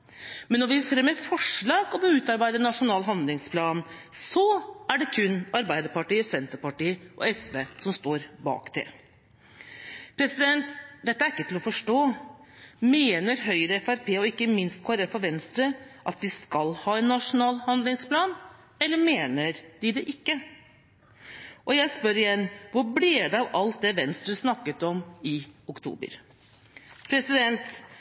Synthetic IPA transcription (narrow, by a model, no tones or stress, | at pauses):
mɛnːɔɾʋɪfɾɛmːəfɔʂɭɑːɡɔbʉːt̪ɑɾbæɪd̪əɛnːɑʂʊnɑːlɦɑnd̪lɪŋspʰlɑːnsɔæɖɛkʰʉnːɑɾbæɪd̪əɾpɑʈiːəsɛnt̪əɾpɑʈiːʔɔ̰ɛsʋeːsɔmst̪oːɾbɑ̰ːkt̪ʰɛ̰ | pʰɾɛsɪd̪ɛnt̪d̪ɛt̪ːəæɾɪkːət̪ɪlɔfɔʂʈoː | meːnəɾɦœʏɾəɛfæɾpʰeːɔɪkːəmɪnst̪kʰʋɑɾefɔɾʋɛnst̪ɾəʔɑt̪ʋ̪ɪskɑlhɑːɛnːɑʂʊnɑːlhɑnd̪lɪŋspʰlɑːn | ɛlːəɾmeːnəɾd̪ɪd̪ɛʔɪkːə | ʔɔjæɪspœɾɪjɛnʋʊɾbleːd̪ɛɑʋɑlt̪̚d̪ɛʋɛnst̪ɾəsnɑkːət̪ɔmɪʊkt̪ʰṵːbə̰ɾ | pʰɾɛsɪd̪ɛnt̪